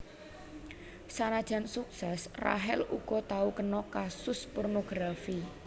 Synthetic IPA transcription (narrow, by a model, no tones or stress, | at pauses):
sanad̥ʒ̥a̤nsuk̚sɛsra̰ɦɪlṵɡ̥ɔ̤t̪aukənɔkasʊspornoɡ̥ɾafi